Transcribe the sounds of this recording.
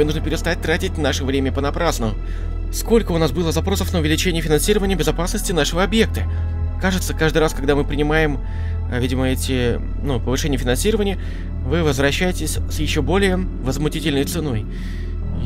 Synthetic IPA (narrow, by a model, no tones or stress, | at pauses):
nuʐnəpʲɪɾʲɪst̪at̚ʲt̪ɾatʲɪtʲnaʂəvɾʲemʲəpənɐpɾasnəʊ | sko̞lʲkəʊnasbɨlˠəzɐpɾo̞səfnəʊvʲɪlʲɪt͡ɕenʲɪjəfʲɪnɐnsʲiɾəvənʲɪjəbʲɪzɐpasnəsʲtʲɪnaʂəvəɐbje̞k̚t̪ə | kaʐɨt̪səkaʐd̪ɨjɾaskɐɡd̪amɨpɾʲɪnʲɪmajɪm | vʲidʲɪməɛtʲɪ | nupəvɨʂɛnʲɪjəfʲɪnɐnsʲiɾəvənʲɪjə | vɨvəzvɾɐɕːæjɪtʲɪsʲsʲjɪɕːobo̞lʲɪjə | vəzmʊtʲitʲɪlʲnəjt̪sɨno̞j